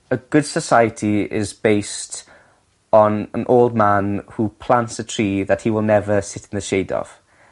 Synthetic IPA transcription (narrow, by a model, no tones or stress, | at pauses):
əɡʊd̥səsaɪətʰiɪ̰zbeɪst | nə̰̃nʔoʊlˠd̚manhupʰl̥ãntsətʰɹ̥iːðəthiwɪlˠnɛvəsɪtn̩ðəʃeɪdɔ̰v̥